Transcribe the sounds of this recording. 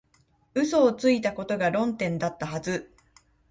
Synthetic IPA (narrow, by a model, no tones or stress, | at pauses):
ɯ̟so̞ːt͡sɨit̪ako̞t̪o̞ɡaɾõ̞nt̪ẽ̞nd̪at̪ːaɦazɨ